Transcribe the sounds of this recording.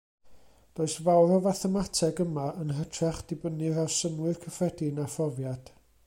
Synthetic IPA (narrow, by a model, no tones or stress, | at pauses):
d̥oːɨsvawɾɔvaθɛmatʰɛɡəmaənɦətʰrɛχd̥ɪbənɨɾawsənwɨrkʰəfrɛdɪnafɔvjad̥